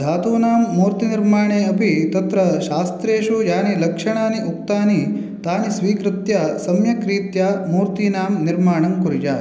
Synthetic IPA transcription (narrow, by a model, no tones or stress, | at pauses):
d̪ʱaːt̪uːnaːmːuːɾt̪iniɾmaːɳeːɐpit̪ɐt̪ɾɐʃaːst̪ɾeːʃujaːnilɐkʂɐɳaːniʔuk̚t̪aːni | t̪aːnisʋiːkɾɪt̪jɐsɐmjɐkɾiːt̪jamuːɾt̪iːnaːmniɾmaːɳɐmkuɾjaː